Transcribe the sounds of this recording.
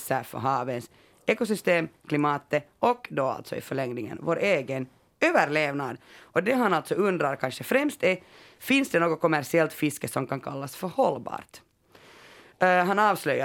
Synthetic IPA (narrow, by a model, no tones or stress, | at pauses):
sæfœ̰ɦɑːvəns | eːkʊsʏst̪eːmkʰlɪmɑːt̪əɔkːd̪ɔa̰lt̪sɔ̰ɪ̰fœɭɛŋnɪŋə̰nvoːɾʔeːɡən | øːvəɾɭeːvnad̪ɔd̪ɛɦanalt̪sɔɵnd̪ɾaɾkʰanʂəfɾɛmst̪ɛ | fɪnsd̪ɛnoːɡɔt̚kʰɔmæɾʂɪɛlt̪fɪskəsɔmkʰankʰalːasfœɾhɔlːbɑ̰ːɾt̪ | ɦanɑːvslœja